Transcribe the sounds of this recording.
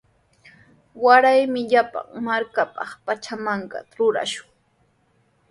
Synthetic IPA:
waɾajmɪʎapa̰ŋmaɾkapɑ̰χpat͡ʃamaɴɢɑ̰ɾʊɾa̰ʃʊ̥ŋ

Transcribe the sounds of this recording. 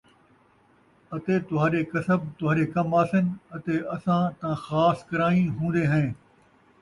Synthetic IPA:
ɐt̪eːt̪ʊɦaːɗeːkɐsəb̚t̪ʊɦaːɾeːkɐmaːsənɪɐt̪eːɐsãːt̪ãːxaːskɐɾaːĩɦũːn̆d̪eːɦɛ̃ː

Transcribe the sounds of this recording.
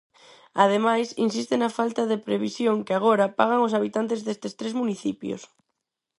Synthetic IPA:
aðemajsḭnsist̪ɪnɐfalt̪aðepɾeβisjoŋkɪaɣ̞oɾapaɣ̞aŋos̬aβit̪ant̪ezðest̪est̪ɾezmuniθipjo̰s

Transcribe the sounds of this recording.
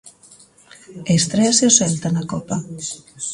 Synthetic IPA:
est̪ɾesosent̪anakɔpa

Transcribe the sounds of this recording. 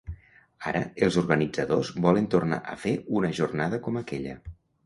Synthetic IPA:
aɾə̰elˠzurɣənid͡zəðozβɔlənt̪urna̰ʔəfeunəʒurnaðəkɔməkɛʎə̰

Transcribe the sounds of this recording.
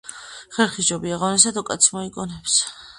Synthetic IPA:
χɛɾχid͡ʒɔbiaʁɔnɛs̬ad̪ɔkʼat̪sʰmɔikʼɔnɛps

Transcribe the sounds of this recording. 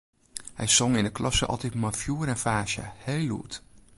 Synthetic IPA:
hɛ̰jz̥ɔŋɪndəklʔɑsəɑ̰lˠtɛtmɑnfjuːɾɛnfaːʃə̰hejlṵt

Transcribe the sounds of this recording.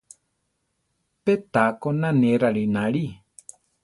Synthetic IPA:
pet̪akonãnẽɾaɺinãɺi

